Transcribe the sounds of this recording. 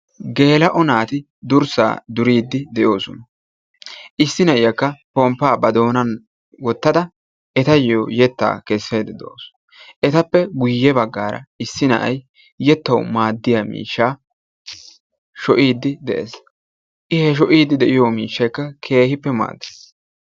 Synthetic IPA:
ɡe̞ːlɐʔɔnaːt̪ɪ | d̪ʊɾsa̰ːd̪ʊɾiːd̪ːɪd̪ɛʔjo̞ːsɔnɐ | ʔɪsːɪnɐʔɪjɐkːɐpɔmpːaːbɐd̪o̞ːnɐn | wɔt̪ːɐd̪ɐ | ʔɛt̪ɐjojɛt̪ːa̰ːkɛsːejd̪ɛd̪o̰ːs | ʔɛt̪ɐpːɛɡʊjːɛbɐɡːaːɾɐ̰ɪsːɪnɐ̰ʔɐ̰j | jɛt̪ːɐwmaːd̪ːɪjamḭːʃːaː | ʃɔʔiːd̪ːɪd̪ɛʔḛs | ʔɪhɛʃ̬ɔʔiːd̪ːɪd̪ɛʔɪjomiːʃːɐjkːɐkʰe̞ːhɪpːɛma̰ːd̪ːe̥s

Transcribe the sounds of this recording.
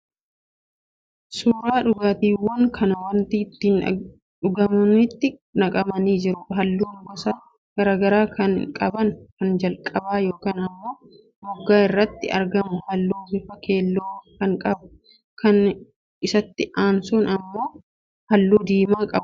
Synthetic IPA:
suːɾaːᶑʊɡaːt̪iːwːɐŋkʰɐnɐwɐnt̪it̪ːɪn | ᶑʊɡɐmɐnɪt̪ːɪnɐkʼɐmɐniːd͡ʒɪɾʊɦɐlːuːŋɡɔsaː | ɡ̥ɐɾaːɡɐɾaːkɐnkʼɐbɐnkɐnd͡ʒɐlkʼɐbaːjo̞ːkaːnɐmːo̞ː | bʊɡːaːɪrːɐt̪ːɪɐ̰ɾɡɐmʊhɐlːuːɡɪfɐke̞ːlːoːkɐŋkʼɐbʊ | kɐn | ɪsɐt̪ːɪʔaːnsʊnɐmːo̞ː | hɐlːuːd̪iːmaːkʼɐbʊ

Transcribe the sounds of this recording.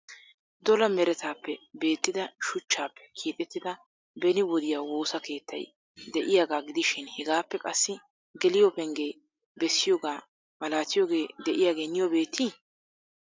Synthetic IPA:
d̪ɔlɐmɛɾɛt̪aːpːɛbe̞ːt̪ːɪd̪ɐʃʊt͡ʃːaːpʰːɛ̥kʰiːt̪ʼɛt̪ːɪd̪ɐ | bɛnɪwɔd̪ɪjaːwo̞ːsɐke̞ːt̪ːɐ̰j | d̪ɛʔɪjaːɡaːɡɪd̪ɪʃɪnhɛɡaːpːɛkʼɐsːɪ | ɡɛlɪjoːpɛŋɡe̞ː | bɛsːɪjoːɡaː | mɐlaːt̪ɪjoːɡe̞ːd̪ɛʔɪjaːɡe̞ːnːɪjɔbe̞ːt̪ːiː

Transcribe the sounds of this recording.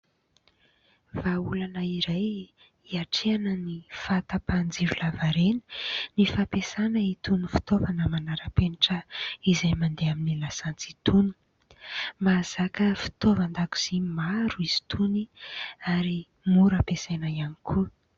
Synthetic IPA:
vaulanəiɾaj | iaʈ͡ʂeanənifat̪apand͡ziɾulavaɾenə̥nifapesanəit̪unifi̥t̪ovanəmanaɾəpeniʈ͡ʂəizajmand̪eaminilasant͡sit̪uni̥ | maz̥akəfi̥t̪ovand̪aku̥z̥imaɾuiz̥i̥t̪ʰuniaɾi | muɾapesajnajanikʰu

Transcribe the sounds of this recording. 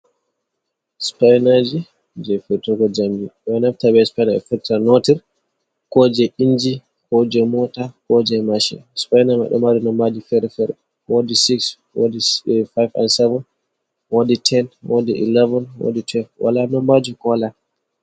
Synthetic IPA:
spajnad͡ʒi | d͡ʒɛfɛtuɡɔd͡ʒambiɓɛnaftabɛspajnaɛ̰fɛtanotiɾ | kɔd͡ʒɛind͡ʒi | hɔd͡ʒɛmɔtakɔd͡ʒɛmaʃɛ̰spajnama̰ɗɔ̰madinɔmbad͡ʒifɛɾfɛɾ | wodisiks | wodifajva̰nsɛvɔn | woditʰɛnwo̰diʔḭlɛvɔnwo̰ditwɛlvwa̰lanɔmbad͡ʒikɔla

